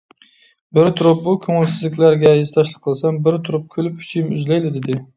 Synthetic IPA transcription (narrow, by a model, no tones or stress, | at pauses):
bɪɾt̪ʰʊɾʊp̚bʊkʲʰøŋɪlsɪzlɪkʲlæɾɡʲɛjɪzt̪ʰɑʃlˠɨqʰːəlˠsɛmbɪɾt̪ʰʊɾʊp̚kʲʰølɪp̚kʲʰy̥t͡ʃʰijɪmyzlæjlɪd̪ɪd̪ɪ